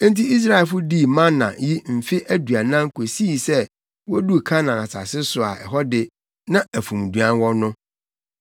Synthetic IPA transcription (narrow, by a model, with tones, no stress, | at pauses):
n̩˦ti˦i˦s̬ɾa˦˨ɛ˨lfʊ˦di˦˨mã˦nːã̰˨ji˦m̩˨fɪ˦ʔæ˦du˨a˨nã˦ŋkʰo˨si˦˨sɛ˦ | wɔ˦du˦˨kʰã˦nã˨a˨sʰa̰˨sɪ˦sʊ˨a̰˨ʔɛ̰˨ɦɔ˦dɪ˦ | nã˦æ˨fũ˨m˨du˨ã˦nwɔ˦nʊ̃˦